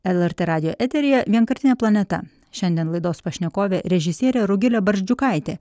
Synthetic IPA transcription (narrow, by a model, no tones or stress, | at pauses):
ɛlˠɛɾʲt̪ʲeːɾɑːd̪ʲɪjoːʔɛt̪ʲɛɾʲɪjɛʋʲiɛnkɐɾʲt̪ʲɪnʲɛːplˠɐnʲɛt̪ɐ̰ | ʃʲɛnʲd̪ʲɛnlˠɐɪd̪oːspɐʃʲnʲɛkoːʋʲeːɾʲɛʒʲɪsʲiɛɾʲeːɾʊɡʲɪlʲɛbɐɾʲʒʲd͡ʒʲʊkɑˑɪt̪ʲeː